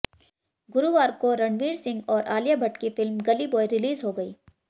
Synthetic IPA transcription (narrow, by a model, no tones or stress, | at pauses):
ɡʊɾuʋaːɾkoɾɐ̃ɳʋiːɾsɪ̃ŋɡɔːɾʔaːljabʱɐʈkifɪlmɡɐlibɔːiɾɪliːzɦoɡɐḭː